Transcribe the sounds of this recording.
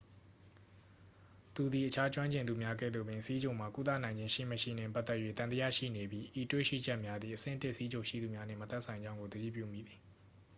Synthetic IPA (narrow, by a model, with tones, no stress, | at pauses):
t̪u˨d̪ði˨ʔət͡ɕʰa˦t͡ɕwã˦ɲt͡ɕɪ̃˨nd̪u˨mja˦ɡɛ̰˦˨d̪ðo˨bɪ̃˨si˦d͡ʑõ˨m̥a˨ku˦t̪̬a̰˦˨nã˨ɪ̃ɲd͡ʑɪ̃˦ʃḭ˦˨məʃḭ˦˨nɪ̰̃˦˨pa˦t̪ːɛ˦ʔjwḛ˦˨t̪ã˨t̪ə˦jä̰˦˨ʃḭ˦˨ne˨bji˦ʔi˨twḛ˦˨ʃḭ˦˨d͡ʑɛ˦ʔmja˦d̪ði˨ʔəsɪ̰̃˦ntɪ˦ʔsi˦d͡ʑõ˨ʃḭ˦˨d̪u˨mja˦n̥ɪ̃˨mət̪ɛ˦ʔsʰã˨ɪ̃ɲd͡ʑã˦ʊ̃ŋɡo˨d̪əɾḭ˦˨pjṵ˦˨mḭ˦˨d̪ði˨